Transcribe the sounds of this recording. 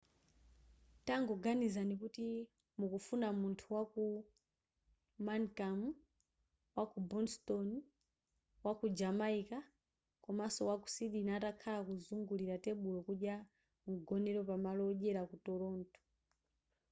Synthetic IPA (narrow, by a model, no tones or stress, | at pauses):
taŋɡɔɡanizanikuti | mukufunamuntʰuwaku | mankamu | wakubɔnstɔn | wakud͡ʒamaika | kɔmasɔwaku̥siɗinatakʰalakuzuŋɡuliɾatɛɓulɔkuɗja | m̩ɡɔnɛɾɔpamalɔʄɛɾakutɔɾɔːntɔ̥